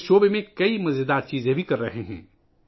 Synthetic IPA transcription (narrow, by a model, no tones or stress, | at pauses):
ʃoːbemẽkɐimɐzed̪aːɾt͡ʃiːzẽbʱikɐɾːɐɦeɦɛ̰̃ː